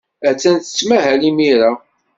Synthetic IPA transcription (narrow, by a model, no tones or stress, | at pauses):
æt͡sːænθə̥t͡sːmæɦælimiɾa